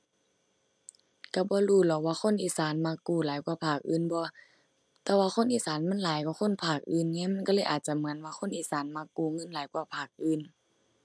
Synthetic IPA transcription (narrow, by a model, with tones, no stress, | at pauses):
ka˧˩bɔː˧˦luː˧˩˨lɔ˧˩waː˧xʰo˧˥˨nʔiː˧˨saː˨˦nmaː˧˥kːuː˧˩laː˨˦jkwaː˧˨pʰaː˧˩k̚ʔɯː˧˨nbɔː˧˦ | t̪ɛː˧waː˧xʰo˧˥˨nʔiː˧˨saː˨˦nmɛ˧˥˨nlaː˨˦jkɔː˧˦xʰo˧˥˨npʰaː˧˩k̚ʔɯː˨nŋɛː˧˥˨ma˧˥˨nka˧˦lɤː˧˥˨ʔaː˨˩t̪̚t͡ɕa˧mɯ˨˦ə˨nwaː˧xʰo˧˥˨nʔiː˧˩saː˨˦nmaː˧˥kːuː˧˩ŋɤ˧˥˨nlaː˨˦jkwaː˧˨pʰaː˧˩k̚ʔɯː˧˩˨n